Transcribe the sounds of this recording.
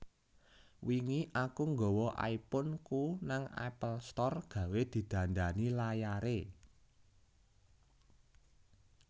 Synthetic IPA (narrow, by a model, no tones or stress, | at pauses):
wiŋiʔakuŋɡɔwɔʔa̰ipʊnkunaŋa̰pəlst̪ɔrɡ̥ä̤wed̪̥i̤d̪̥ä̤nd̪anilajaɾe